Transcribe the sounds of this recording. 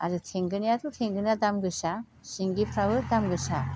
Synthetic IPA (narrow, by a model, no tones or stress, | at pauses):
a̰ɾɯtʰeŋɡɯnijatʰutʰeŋɡɯnadamɡɯsa | siŋɡipʰɾabɯdamɡɯsa